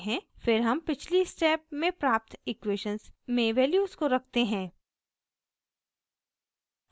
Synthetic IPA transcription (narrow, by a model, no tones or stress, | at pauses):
ɦɛ̃fɪɾɦɐmpɪt͡ʃʰlisʈɛːp̚mẽpɾaːp̚t̪ɪkweːʃə̃nsmẽʋɛːljuːzkoɾɐk̚ʰt̪eɦɛ̃ː